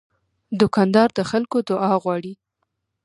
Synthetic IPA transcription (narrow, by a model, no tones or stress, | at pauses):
d̪ʊkɑnd̪ɑɾd̪əxalkod̪ʊʔɑɣwɑɽi